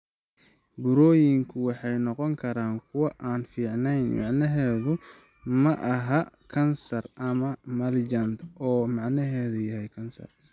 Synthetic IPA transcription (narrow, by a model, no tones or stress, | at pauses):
bʊɾɔːjɪŋkʰʊwɑħɑjnɔqɔŋkʰɐɾaːŋkʰʊwɐʔaːnfiːʕnɛjnmɑ̰ʕnɐɦɛːðʊ | mɐʔɐɦɐkʰɐnsɐrʔɐmɐmɐld͡ʒɐnt̪ɔːmɑʕnɐɦɛːðʊjɐɦɛjkʰɐnsɐ̰r